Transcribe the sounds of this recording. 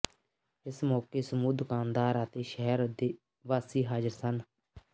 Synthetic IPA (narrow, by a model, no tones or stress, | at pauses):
ɪsmɔːkeːsəmuːd̪ʊkaːnd̪aːɾət̪eːʃəɦɛɾd̪eː | ʋaːsiːɦaːd͡ʒəɾsən